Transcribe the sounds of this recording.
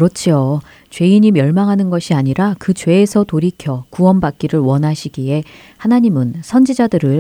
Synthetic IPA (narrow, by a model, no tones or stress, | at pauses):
ɾʌt͡ɕʰio | t͡ɕwe̞iɲimjʌɭmaŋɦanɯnɡʌɕʰiaɲiɾakɯt͡ɕwe̞ːsʰʌtoɾikʰjʌkuwʌnbak̚k͈iɾɯɭwʌnɦaɕʰiɡie̞ | hanaɲimɯnsʰʌnd͡ʑid͡ʑadɯɾɯɭ